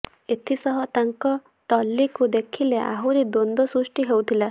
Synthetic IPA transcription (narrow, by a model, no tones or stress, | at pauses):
et̪ʰisɔɦɔt̪aŋkɔ | ʈɔlːikud̪ekʰileʔa̰ɦuɾid̪ond̪ɔsɾusʈiɦewt̪ʰila